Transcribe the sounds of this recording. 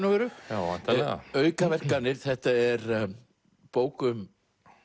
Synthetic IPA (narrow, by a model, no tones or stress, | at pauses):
navɛɾʏaat̪ɛa̰œːɥkavɛr̥kanːɪɾ̥θɛht̪aɛɾ | poːwkʏm